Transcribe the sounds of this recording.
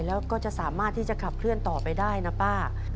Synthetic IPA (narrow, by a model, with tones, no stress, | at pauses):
lɛː˦˥wkɔː˥˩t͡ɕa˨˩ʔsaː˩˦maː˥˩t̪ʰːiː˥˩t͡ɕa˨˩kʰa˨˩p̚ʰɾɯ˥˩ənt̪ɔː˨˩pa˧jdaː˥˩jna˦˥paː˥˩